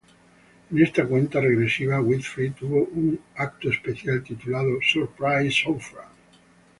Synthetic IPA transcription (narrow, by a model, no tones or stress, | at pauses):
inest̪akwent̪areɡɾesːiːvawit̪fɾit̪uvoʔunak̚t̪oespeθjalt̪it̪ulaːðosorpɾajsɔfɾa̰